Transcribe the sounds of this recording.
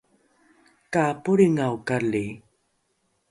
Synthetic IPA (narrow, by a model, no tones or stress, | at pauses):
kapuɾiŋawkali